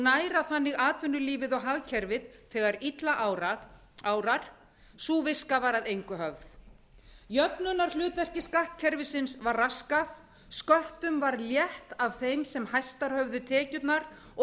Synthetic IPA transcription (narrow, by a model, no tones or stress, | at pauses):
naːjɾaθanːɪɣaːt̪vʏnːʏliːvɪðɔɣɦaɣcʰɛɾvɪðθɛːɣaɾit̪laʔ | aːwɾaɾ̥ | suːvɪskavaɾaðejŋkʏɦœvð | jœpnʏnaɾ̥lʏːt̪vɛr̥cɪskahk̚cʰɛɾvɪsɪnsvarraskaf | skœht̪ʏmvaɾljɛht̪av̥θejmsɛmhajst̪aɾ̥hœvðʏt̪ʰɛːcʏt̪naɾ | ɔ